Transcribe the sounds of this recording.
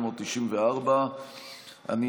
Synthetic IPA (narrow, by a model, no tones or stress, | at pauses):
moːt̪ːiʃimveaʁba | a̰ni